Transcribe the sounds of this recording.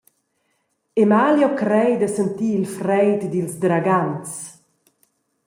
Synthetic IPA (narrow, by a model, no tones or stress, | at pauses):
emaljɔkɾɛjd̪əsənt̪iːlfɾɛjt̪d̪ilsd̪ɾaɡant͡s